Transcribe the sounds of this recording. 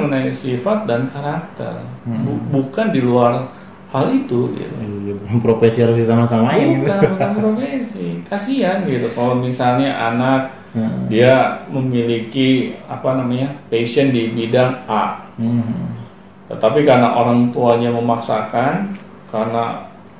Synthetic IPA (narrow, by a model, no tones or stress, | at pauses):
ŋənaisifat̪̚dankaɾak̚t̪ɛ̰rbubukandiluar | halit̪uɡḭt̪uanpɾofensihaɾʊs̬disamasamaukanbukanpɾofesikasianɡit̪ukalomisalɲaʔanak̚ | diaməmilikiapanamaɲapesəndibidaŋaʔ | t̪ət̪apikaɾnaʔoɾaŋt̪uaɲaməmaksakan | karna